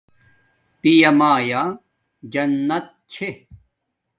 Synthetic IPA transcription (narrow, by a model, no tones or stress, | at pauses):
p̪ijɐmaːja | d͡ʑɐnːɐt̪̚t͡ɕʰe